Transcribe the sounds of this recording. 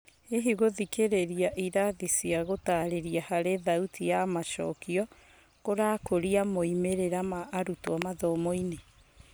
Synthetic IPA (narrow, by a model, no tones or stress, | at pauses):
eɦiɣoðikeɾeɾiaʔiɾaðisiaɣotaɾeɾiahaɾeðautʰijamaʃɔ̰kiɔ | koɾaːkoɾiamoimeɾeɾamaʔːɾutwamaðɔmɔine